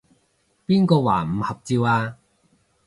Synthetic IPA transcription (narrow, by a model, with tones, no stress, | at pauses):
piː˥nkɔː˧waː˨˩m̩˨˩hɐ˨˩p̚t͡siː˧waː˧